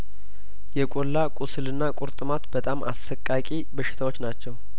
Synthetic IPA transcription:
jɛkʼolːakʼusɨlɨnːakʼʊɾt̪ʼɨmat̪bət̪ʼamʔa̰sːəkʼːakʼibəʃɪ̥t̪ʰawo̞t͡ʃːnat͡ʃːɛw

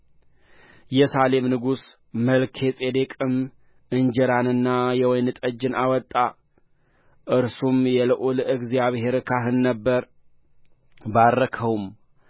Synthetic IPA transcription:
jɛsale̞mnɨɡus | məlkʰe̞sʼed̪ekʼɨm | ʔɨnd͡ʒɛɾanɨnːajɛwɔjnɨt̪ʼəd͡ʒːɨnʔawɔt̪ʼːa | ʔɨɾsumjɛlɨʔulɨɡzjaβhe̞ɾkʰaɦɨnːəbːəɾ | barːəkʰəwum

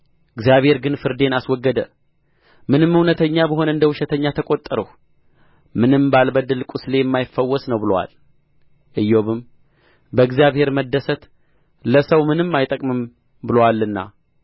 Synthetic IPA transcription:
ʔɨɡzijaβhe̞ɾɡɨnfɨɾd̪e̞naswɔɡːəd̪ə | mɨnɨmːɨwnət̪ʰəɲːabəɦo̞nɨnd̪əwuʃɛt̪ʰəɲːat̪ʰəkʼo̞t̪ʼːəɾəh | mɨnɨmbalbəd̪ɨlkʷʼusle̞jɛmːajɪfəwːɔsnəwbɨlwa̰l | ʔɨjːoβɨm | bəɨɡzijaβhe̞ɾməd̪ːəsət̪ | ləsəwmɨnɨmːajt̪ʼəkʼmɨm | bɨlowalːɨnːa̰

